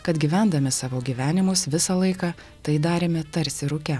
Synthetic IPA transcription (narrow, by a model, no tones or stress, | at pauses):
kɐt̪ɡʲiːʋʲænd̪ɐmʲɪsɑːʋoːɡʲiːʋʲæːnʲɪmʊsʋʲɪsɑlˠɐɪkɑː | t̪ɐɪd̪ɑːɾʲeːmʲɛt̪ɐɾʲsʲɪɾʊkʲɛ